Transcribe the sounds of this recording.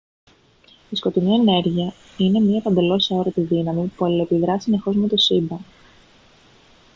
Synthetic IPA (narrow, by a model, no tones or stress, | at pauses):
isko̞t̪inie̞ne̞ɾʝiɐ | ine̞mɲiɐpɐnd̪e̞lo̞sɐo̞ɾɐt̪iðinɐmipuɐlepiðɾɐsine̞xo̞zme̞t̪o̞sibɐ